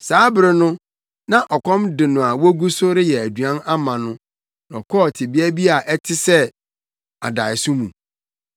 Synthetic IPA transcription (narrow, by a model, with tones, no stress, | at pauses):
saː˨˦bɪ˨ɾɪ˨nʊ̃˦ | nã˦ʔɔ˨kʰɔ̃˦mdɪ˨nʊ̃˨a˨wɔ˦ɡu˦sʊ˦ɾɪ˦jɛ˨æ˨du˨ã˦na˦mã˨nʊ̃˦ | nɔ̰˨kʰɔ˦˨tʰɪ˨bi˦æ˦bi˦a˨ʔɛ˦tʰɪ˦sɛ˦ | a̰˨da˨ɪ˨sʊ̃˦mũ˨